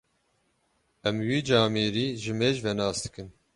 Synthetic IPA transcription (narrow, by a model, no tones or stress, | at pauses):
ɛmwiːd͡ʒɑːmiːɾiːʒɨmeːʒvɛnɑːsd̪ɨ̥kɨn